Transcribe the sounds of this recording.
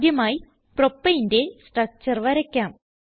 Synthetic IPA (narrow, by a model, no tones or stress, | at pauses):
d̪jɐmaːji | propːɐjinde̞sʈrɐk̚t͡ɕːɐrʋɐɾɐkʲːaːm